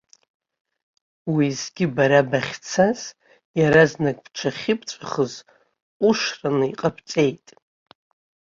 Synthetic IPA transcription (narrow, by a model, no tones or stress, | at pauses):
wizɡʲɪbaɾabaχʲt͡sʰaz̥ | jaɾaznakʼpt͡ʃʷʰaχʲɪpʰʼt͡ʃʷʼaχəz | uʂranɨiqʼapʰt͡sʼe̞jtʼ